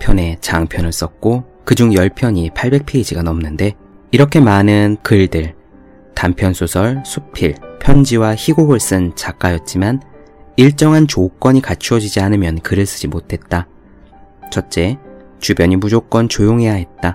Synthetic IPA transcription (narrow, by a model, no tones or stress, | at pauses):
pʰjʌne̞t͡ɕaŋpʰjʌnɯɭs͈ʌk̚k͈o | kɯd͡ʑuŋjʌɭpʰjʌɲipʰaɭbe̞k̚pʰe̞id͡ʑiɡanʌmnɯnde̞ | iɾʌkʰe̞manɯnkɯɭdɯɭ | tampʰjʌnsʰosʰʌɭsʰu̥pʰiɭpʰjʌnd͡ʑiwaçiɡoɡɯɭs͈ɯnt͡ɕak͈ajʌt̚t͡ɕ͈iman | iɭt͡ɕ͈ʌŋɦant͡ɕok͈wʌɲikat͡ɕʰuwʌd͡ʑid͡ʑianɯmjʌnkɯɾɯɭs͈ɯ̥d͡ʑimotʰe̞t̚t͈a | t͡ɕʰʌt̚t͡ɕ͈e̞ | t͡ɕubjʌɲimud͡ʑok͈wʌnt͡ɕojoŋɦe̞jaɦe̞t̚t͈a